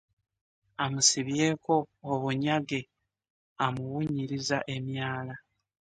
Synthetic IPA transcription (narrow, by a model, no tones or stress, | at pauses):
amusiβje̞ːko̞ːβuɲaɡe̞ | amuwuɲiɾizaʔe̞mjaːla